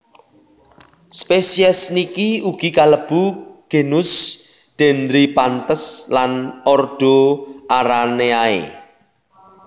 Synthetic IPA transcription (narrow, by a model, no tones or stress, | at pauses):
spesiəsnikiuɡ̥i̤kaləb̥uɡ̥e̤nʊsd̪̥ɛ̤nd̪ɾipant̪əslanɔrɖ̪̥o̤aɾaneaḛ